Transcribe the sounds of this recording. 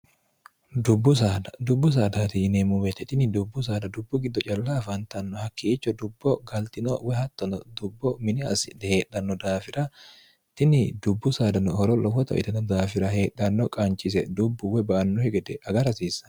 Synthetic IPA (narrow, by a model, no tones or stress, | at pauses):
d̪ʊbːʊsaːd̪ɐd̪ʊbːʊs̬aːd̪at̪inemʊmɛt̪ːɛt̪ɪnɪd̪ʊbːʊs̬aːd̪ɐd̪ʊbːʊɡɪd̪ːɔt͡ʃʼɐlːafɐnt̪ɐnːɔhɐkːiːt͡ʃːɔd̪ʊbːɔɡɐlt̪ɪnɔwɛhɐt̪ːɔnɔd̪ʊbːɔmɪnɪɐ̰sɪd̪ɛheːᶑɐnːɔd̪aːfɪɾɐ | t̪ɪnɪd̪ʊbːʊsaːd̪ɐnʊhɔɾɔlɔwɔt̪ɐ̰ʔɪ̰t̪ɐnɔd̪aːfɪɾɐhe̞ːᶑɐnːɔkʼɐnt͡ʃʼɪs̬ɛd̪ʊbːʊwɛbɐʔɐnːɔhɛɡɛd̪ɛɐɡɐɾɐsiːsɐ̥